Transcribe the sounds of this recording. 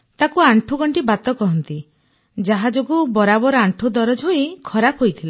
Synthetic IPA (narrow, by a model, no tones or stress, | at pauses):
t̪akuaɳʈʰuɡɔɳʈibat̪ɔkɔɦɔnt̪i | d͡ʒaɦad͡ʒoɡubɔɾabɔɾɔaɳʈʰud̪ɔɾɔd͡ʒɦoikʰɔɾapʰɦojt̪ʰila